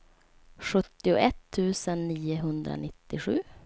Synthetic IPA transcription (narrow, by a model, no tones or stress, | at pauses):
ʂɵt̪ːɪʊ̰ʔɛt̪ʰːʉ̟ːsənːiːəɦɵnd̪ɾa̰nɪt̪ːɪɧʉ̟ː